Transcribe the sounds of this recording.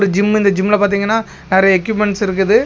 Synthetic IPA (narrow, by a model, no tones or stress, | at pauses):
ɾɯd͡ʒɪmːɪnd̪ɐd͡ʒɪmːɪlɐpaːɾt̪̬iːŋɡɐnːaː | neːɾɐjɛkːjuːp̬mɛɳʈsɪɾɯk̬ːɯðɯ